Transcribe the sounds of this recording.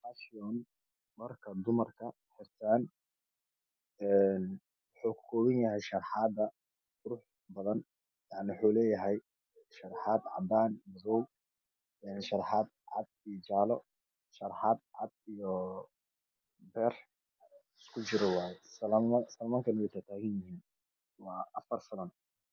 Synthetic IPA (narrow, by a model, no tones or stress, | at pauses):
aʃɪɔːn | mɐrkʰɐd̪ʊmɐrkʰɐ | ħɪrt̪ʰaːn | ɛːn | wɑħuːkkʰɔːβɪnjɐɦɛjʃɐrħɑːd̪ɐ | ɡʊɾʊħ | bɐðɐn | jaʕnɪwʊħuːlɛːjɐɦɛj | ʃɐɾħɑːd̪ʕɑ̰baːnmɐzɔw | ɛːnʃɐɾħɑːd̪̚ʕɑ̰d̪̚ijɔt͡ʃaːlɔ | ʃɐrħɑːd̪̚ʕɑd̪̚ijɔ | bɛːr | ɪskʰʊt͡ʃɪɾɔwɑːjɛsɐsɐlmɐŋkʰɐnwɛjt̪ʰat̪ʰaːɣɐnjɪhiːn | wɑːʔɐfɐrfɪlɐn